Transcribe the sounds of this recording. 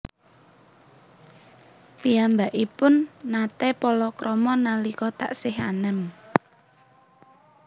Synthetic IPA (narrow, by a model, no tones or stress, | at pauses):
piambaʔipʊnːat̪ɛpɔlɔkɾɔmɔnalikɔt̪a̰ʔsɪɦa̰nəm